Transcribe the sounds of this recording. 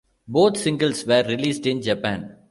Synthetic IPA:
boːt̪sɪ̃ŋɡəlsʋəɾːɪliːsɖɪ̃nd͡ʒɐpæ̃n

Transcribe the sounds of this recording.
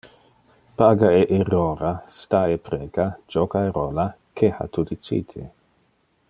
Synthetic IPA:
paːɡaeʔeroːɾast̪aepɾeːkad͡ʒɔkaeɾoːla | kʰeha̰t̪ud̪it͡ʃḭːt̪ʰe

